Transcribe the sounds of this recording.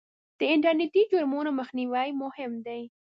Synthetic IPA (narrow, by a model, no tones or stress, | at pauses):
d̪̥əɪɳʈəɾnɪt̪id͡ʒʊɾmonaməxniwajmʊhɪmd̪ej